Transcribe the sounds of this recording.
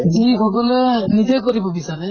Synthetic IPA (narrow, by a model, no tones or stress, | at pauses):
zikʰɔkɔlɔnid̪ekɔɾibɔbisaɾɛ